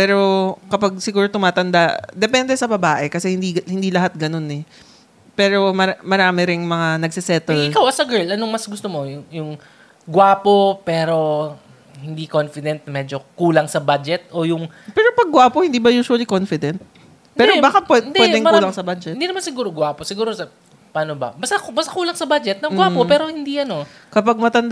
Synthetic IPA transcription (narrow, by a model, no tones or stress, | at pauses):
pɛːɾo̞kɐpaɡ̚sɪɡuːɾot̪ʊmaːt̪ɐnd̪ad̪ɛpɛnd̪ɛsɐbɐbaːʔɛkɐsɛhɪnd̪ihɪnd̪iːlɐɦat̪̚ɡɐno̞nɛ | pɛːɾo̞mɐamɐɾaːmɪɾɪŋmɐŋanɐɡ̚sɪsɛt̪ɛlʔɪkawʔɐsɐɡɛɹlʔɐnoŋmɐsɡʊst̪omo̞jʊŋjʊŋ | ɡwaːpopɛːɾo̞ | hɪnd̪ikonfɪd̪ɛnt̪̚mɛd͡ʒokuːlɐŋsɐbad͡ʒɛt̪̚ʔojʊŋ | pɛːɾopɐɡ̚ɡːwaːpohɪnd̪iːbɐjuːswɐlikonfɪd̪ɛnt̪̚ | p̪ɛːɾobaːkapwɛɪnpd̪wɛd̪ɪŋːlɐŋsɐbad͡ʒɛnd̪iːnɐmansɪɡuːɾoɡwaːposɪɡuːɾosɐ | paːnobɐ̰bɐst̪abɐst̪akuːlɐŋsɐbad͡ʒɛt̪̚nɐmɡwaːpopɛːɾo̞hɪnd̪iʔɐno̞ | kɐpaɡ̚mɐt̪ɐnd̪